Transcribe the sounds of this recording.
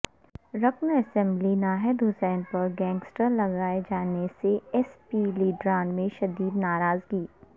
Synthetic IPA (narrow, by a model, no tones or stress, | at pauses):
ɾɐknɐsɛ̃mblinaːɦɛd̪ʊsɛːnpɐɾɡɛ̃ːŋɡsʈəɾlɐɡaːed͡ʒaːneseɛspiliːɖɾãːnmẽʃɐd̪iːd̪naːɾaːzɡiː